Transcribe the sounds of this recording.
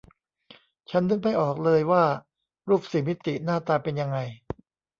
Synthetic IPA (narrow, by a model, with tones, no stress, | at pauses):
t͡ɕʰa˦˥ndɯ˧˩ŋpa˧jʔɔː˨˩k̚lɤː˧jwaː˥˩ | ɾuː˥˩p̚si˨˩˦mi˦˥t̪ːi˨˩naː˥˩t̪aː˧pe˧nja˧ŋːa˧j